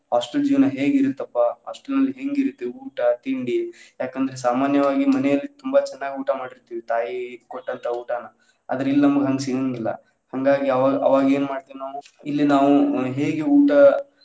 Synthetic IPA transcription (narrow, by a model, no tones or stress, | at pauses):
ɦaːsʈɐld͡ʒiːʋɐnɐɦe̞ːɡiɾut̪ːɐpːɐɦa̰ːsʈɐlnɐlːiɦe̞ŋɡiɾut̪ːeuːʈɐt̪iɳɖijaːkɐnd̪ɐɾesaːmaːnjɐʋaːɡimɐnɛjɐlːit̪umbɐt͡ʃɛnːaːɡiuːʈɐmaːɽiɾt̪iːʋit̪aːjikoʈːɐnt̪ʰɐuːʈanɐ | ɐd̪ɐɾilːnɐmɐɡɦɐŋɡsiŋɡilːɐ̰ | hɐŋɡaːɡiɐʋaːʔɐ̰ʋaːɡeːnmaːɽt̪inoː | ilːinaːʋuɦeːɡeuːʈɐ